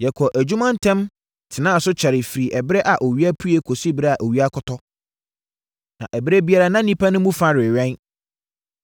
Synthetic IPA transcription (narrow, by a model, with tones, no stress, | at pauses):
jɛ˨kʰɔ˨ʔæ˨d͡ʑu˦mã˦n̩˦tʰɛ̃˦m | tʰɪ˨nã˦˨sʊ˦t͡ɕʰɛ˨ɾɪ˨fi˨ɾi˨ʔɛ˨bɾɛ˦ʔa˨ʔo˨ɥi˦a˦pʰu˦e˦kʰo˨si˦bɪ˦ɾɛ˦a˨ʔo˨ɥi˦a˦kʰɔ˦tʰɔ˦ | nã̰˨ʔɛ˨bɪ˦ɾɛ˦bi˦a˦ɾa˦nã˦nĩ˦pʰa˦nʊ̃˦mũ˦fa˦ɾɪ˨ɥɛ̃˦n